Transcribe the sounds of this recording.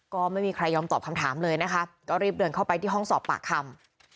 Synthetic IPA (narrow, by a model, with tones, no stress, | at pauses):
kɔː˥˩ma˥˩jmiː˧kʰɾa˧jːɔː˧mt̪ɔː˨˩p̚kʰa˧mt̪ʰaː˩˦mlɤː˧jna˦˥kʰa˦˥kɔː˥˩ɾiː˥˩p̚dɤː˧nkʰa˥˩wpa˧jt̪ʰiː˥˩ɦɔ˥˩ŋsɔː˨˩pːa̰ː˨˩kʰːa˧m